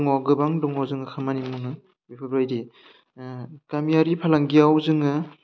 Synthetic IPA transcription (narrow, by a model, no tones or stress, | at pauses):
ŋaɡɯbaŋdɔŋawzɯŋɯkʰamanimuŋɯ | bipʰɯbɾajɾi | kamijaɾipʰalaŋɡijawzɯŋɯ